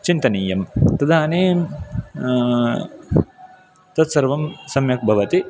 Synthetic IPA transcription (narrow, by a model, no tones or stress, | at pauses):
t͡ʃint̪ɐnɐjɐmt̪ɐd̪aːneːm | t̪ɐt̪sɐɾʋɐmsɐmjɐk̚bʱɐʋɐt̪i